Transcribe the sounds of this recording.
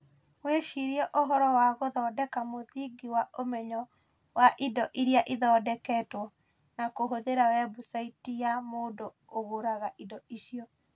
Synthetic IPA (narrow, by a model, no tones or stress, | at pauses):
mweʃiɾiɛʔoɦɔɾɔwaɣoðɔːdɛkamoðiɡiwaʔomɛɲɔ | waʔidɔʔiɾjaʔiðɔːdɛkɛːtwɔ | nakoɦoðeɾawɛbusaitijamoːdo | oɣoɾaɣaʔidɔiʃiɔ